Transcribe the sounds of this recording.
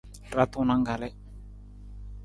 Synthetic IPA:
ra˨˦t̪ʊ˨na˦ŋɡa˨lɛ˦

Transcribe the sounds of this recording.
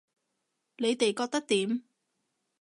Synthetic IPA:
ne˨˧jt̪e˨jkɔː˧k̚t̪ɐ˥k̚t̪iː˨˥m

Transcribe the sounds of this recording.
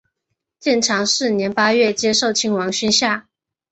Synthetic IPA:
t͡ɕjɛ˥˩nʈ͡ʂʰɑ˧˥ŋʂɻ̩˥˩njɛ˧˥npa˥ɥɛ˥˩t͡ɕjɛ˥ʂo˥˩ʊt͡ɕʰi˧˥ŋwɑ˧˥ŋɕy˥nɕja˥˩

